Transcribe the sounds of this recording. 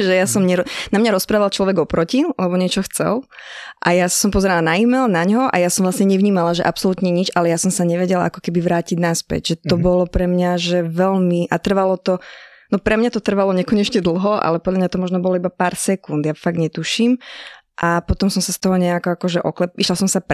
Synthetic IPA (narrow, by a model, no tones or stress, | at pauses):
ʒɛjasɔmɲɛɾɔnamɲaɾɔspɾaːʋalt͡ʃlɔʋɛɡɔpɾɔcilɛbɔɲɛt͡ʃɔxt͡sɛ̰lʔajassɔmpɔzɛɾalanaimɛlnaɲɦɔʔa̰jasɔmʋlasɲɛɲɛʋɲiːmalaʒɛ̰ʔapsɔlut̪ɲɛɲid͡ʒalɛjasɔmsaɲɛʋɛɟɛla̰ʔa̰kɔ̥kɛbiʋɾaːciɟnaspɛ̰ɟʒɛt̪ɔbɔlɔpɾɛmɲaʒɛʋɛʎmiʔat̪r̩ʋalɔt̪ɔ | nɔpɾɛmɲat̪ɔt̪r̩ʋalɔɲɛkɔɲɛt͡ʃɲɛd̪l̩ˠɦɔa̰lɛpɔd̪ʎamɲat̪ɔmɔʒnɔbɔlɔibapaːɾsɛkund̪jafaɡɲɛt̪uʃiːm | ʔapɔt̪ɔmsɔmsast̪ɔɦɔɲɛakɔakɔʒɛʔɔklɛiʃlalsɔmsap